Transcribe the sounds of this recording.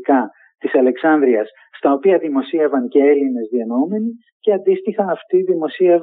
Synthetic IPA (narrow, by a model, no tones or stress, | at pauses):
kɐ | t̪isɐle̞ksɐnd̪ɾiɐs | st̪ɐo̞piɐðimo̞sievɐnce̞e̞line̞zðiɐnoume̞ni | ce̞ɐnd̪ist̪ixɐnɐft̪iðimo̞siev